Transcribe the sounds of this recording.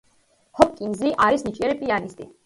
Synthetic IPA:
hɔpʼkʼiŋziʔaɾisnit͡ʃʼiɛɾipʼianist̪ʼi

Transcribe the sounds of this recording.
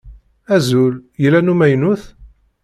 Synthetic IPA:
æzuljəlːænumæjnuθ

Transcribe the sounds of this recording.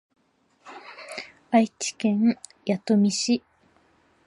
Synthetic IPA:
ait͡ɕi̥kẽŋ | jat̪omʲiɕi

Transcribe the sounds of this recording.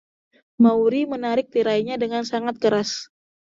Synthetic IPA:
mauɾimənaɾɪk̚t̪iɾaiɲadəŋansaŋat̪̚kəɾas

